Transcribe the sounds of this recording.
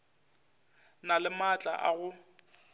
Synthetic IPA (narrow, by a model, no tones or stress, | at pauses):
nalɪmat͡ɬʼa̰ʔa̰ɣʊ